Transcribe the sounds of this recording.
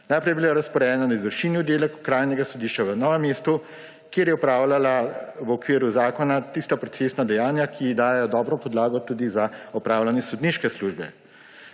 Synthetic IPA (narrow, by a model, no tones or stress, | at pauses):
najpɾɛjɛbilaɾɐspɔɾɛːnanaizʋəɾʃiːnjud̪elɛkukɾaːjnɛɡasɔd̪iʃt͡ʃaʋənɔːʋɛmːest̪u | kjeːɾjɛɔpɾaːwlalaʋɔkʋiːɾuzaːkɔnat̪ist̪apɾɔt̪sesnad̪ɛjaːnjakʰid̪aːjɛjɔd̪ɔːbɾɔpɔd̪laːɡɔt̪ud̪izaɔpɾaːwlanjɛsɔd̪niːʃkɛsluːʒbɛ̰